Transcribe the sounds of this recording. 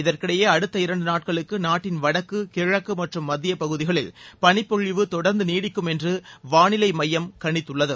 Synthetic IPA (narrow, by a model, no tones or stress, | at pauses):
ɪðɐrkɪɽɐjeːɐɽɯt̪ːɐɪɾɐɳɖɯnaːʈ̚kɐɭɯkːɯnaːʈːɪnʋɐɽɐkːɯkɪɻɐkːɯmɐʈrɯmːɐd̪ːɪjɐpɐɣɯðɪɣɐɭɪlpɐɳɪpːɔɻɪʋɯt̪ɔɽɐɾnd̪ɯniːɽɪkːɯmɛndrɯʋaːɳɪlɐɪmɐjːɐmkɐɳɪt̪ːɯɭːɐðɯ